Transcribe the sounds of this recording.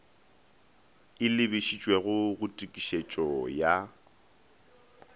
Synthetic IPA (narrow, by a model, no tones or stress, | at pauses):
ɪlɪbɪʃit͡ʃʼwɛɣʊɣʊtʼikʼiʃet͡ʃʼɔja